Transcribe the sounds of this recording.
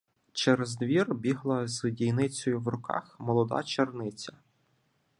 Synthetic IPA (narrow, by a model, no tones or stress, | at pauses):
t͡ʃeɾezd̪ʋʲirbʲiɦlˠɐzdʲijnɪt͡sʲɔjʊwɾʊkɑ̰xmɔlˠɔd̪ɑ̰t͡ʃernɪt͡sʲɐ